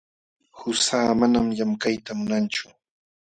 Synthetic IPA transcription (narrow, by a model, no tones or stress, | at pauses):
hʊsaːmanamjamkajt̪amʊnant͡ʃʊ̥